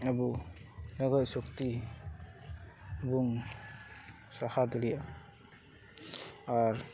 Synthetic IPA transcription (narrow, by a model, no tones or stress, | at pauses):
abunaɡajsɔkt̪i | buŋ | sahad̪ɔlija | aɾ